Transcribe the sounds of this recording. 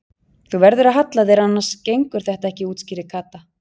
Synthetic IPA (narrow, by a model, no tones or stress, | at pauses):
θuvɛɾðʏɾaðɦat̪laðɪɾanːaɾscejŋkʏɾ̥θɛht̪aɛhcɪuːt̪sciːɾɪkʰaːt̪a